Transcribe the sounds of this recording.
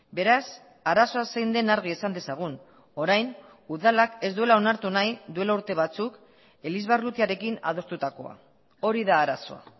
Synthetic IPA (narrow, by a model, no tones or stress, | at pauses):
be̞ɾas | aɾaso̞asejnd̪e̞naɾɣ̞iesand̪e̞saɣ̞un | o̞ɾajn | uðalake̞zd̪ue̞lao̞naɾt̪unajd̪ue̞lauɾt̪e̞β̞at͡suk | e̞lizβarut̪iaɾe̞kina̰ð̞o̞st̪ut̪ako̞̰a̰ | o̞ɾiðaːɾaso̞a̰